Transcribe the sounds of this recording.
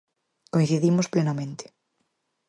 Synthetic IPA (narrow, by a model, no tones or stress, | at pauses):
koj̃nθiðimosplenamẽnt̪e̥